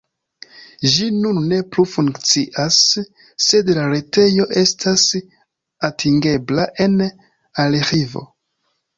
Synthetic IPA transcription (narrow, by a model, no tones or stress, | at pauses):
ʒinunːe̞plufuŋkkt͡siʔasː | e̞dlaɾe̞te̞jo̞ʔe̞stʰas | atʰiŋɡe̞blaʔe̞n | alexivo̞̰